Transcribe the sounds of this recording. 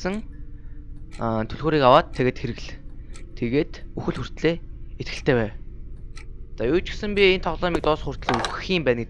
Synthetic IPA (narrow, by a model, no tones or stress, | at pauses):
sə̆ŋ | t̪ʰɵɮɣoːɾiːkawaːt̪ʰːeɣeːt̪xeɾɘ̆ɣɮt̪ʰeɣeːt̪uxɘ̆ɮxur̥t̪ɮeːet̪xɘ̆ɬt̪ʰeːpæːw | t͡sajʊːt͡ɕɪ̥̆sɘ̆mpʲient̪ʰɔʁɮɔːmiːk̚t̪ʊːsχʊr̥t̪ɮeːuxxiːmpæːnɡet̪